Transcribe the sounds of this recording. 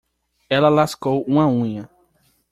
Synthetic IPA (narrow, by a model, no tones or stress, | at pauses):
ɛlɐlaskowũɐũɲɐ